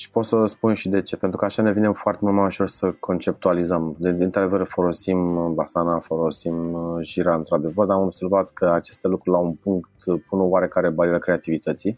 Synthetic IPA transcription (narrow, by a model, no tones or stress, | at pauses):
ʃi̥po̞t̪səspunʃid̪e̞t͡ʃe̞pent̪ɾukəaʃane̞vinemfoart̪emult̪majuʃo̞rsəkʰo̞nt͡ʃe̞p̚t̪ualizəmd̪d̪int̪ɾad̪e̞vəɾfo̞lo̞simbasanafo̞lo̞simʒiɾaɨnt̪ɾad̪e̞vərd̪aamobse̞rvat̪kʰəat͡ʃe̞st̪e̞lukɾulaunpuŋkt̪punəoaɾe̞kaɾe̞balʲulakɾe̞at̪ivit̪ət̪si